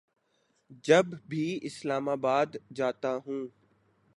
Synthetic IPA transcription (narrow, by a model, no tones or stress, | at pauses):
d͡ʒɐbbʱiːɪslaːmaːbaːd̪d͡ʒaːt̪aɦũː